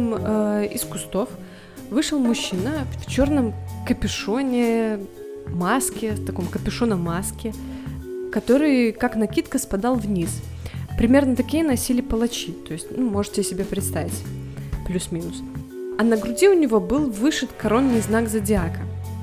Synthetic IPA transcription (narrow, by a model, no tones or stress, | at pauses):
məɪskʊst̪o̞f | vɨʂɨlˠmʊɕːinəfft͡ɕo̞rnəmkəpʲɪʂonʲɪ | maskʲɪft̪ɐko̞mkəpʲɪʂonəmaskʲɪ | kɐt̪o̞ɾɨjkaknɐkʲit̪kəspɐd̪ɑlˠvnʲis | pɾʲɪmʲe̞rnət̪ɐkʲijənɐsʲilʲɪpəlˠɐt͡ɕit̪o̞ɪsʲtʲnumo̞ʐɨtʲɪsʲɪbʲepɾʲɪt̪st̪avʲɪtʲplʲusmʲinʊs | ɐnəɡɾʊdʲiʊnʲɪvo̞bɨlˠvɨʂɨt̪kɐɾo̞nːɨjznaɡzədʲɪakə